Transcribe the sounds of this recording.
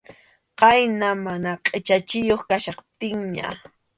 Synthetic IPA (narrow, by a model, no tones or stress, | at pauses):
qɑjnamanaqʼɪt͡ʃat͡ʃɪjoχkaʃɑχt̪ɪŋɲa̰